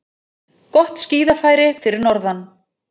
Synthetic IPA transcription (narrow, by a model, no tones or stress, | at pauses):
kɔht̪sciːðafaːjɾɪfɪɾɪɾnɔɾðan